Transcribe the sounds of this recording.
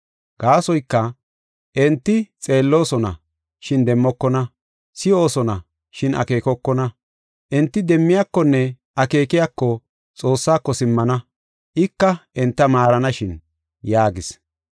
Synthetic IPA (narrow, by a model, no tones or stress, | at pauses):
ɡ̥aːsɔjkːɐ | ʔɛnt̪ːɪt͡sʼe̞ːlːo̞ːsɔnɐ̰ | ʃɪnd̪ɛmːɔkːɔnɐ | sɪo̞ːsɔnɐ | ʃɪnʔɐ̰ke̞ːkɔkːɔnɐ | ʔɛnt̪ːɪd̪ɛmːɪjakːɔnːɛ | ʔɐke̞ːkɪjakːɔ | t͡sʼo̞ːsːaːkːɔsɪmːɐnɐ | ʔɪkːɐʔɛnt̪ːɐmaːɾɐnɐʃɪn | jaːɡɪs